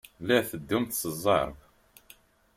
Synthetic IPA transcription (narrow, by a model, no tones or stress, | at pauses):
læθəd̪ːumt̪səzˤːɑ̰ɾˤv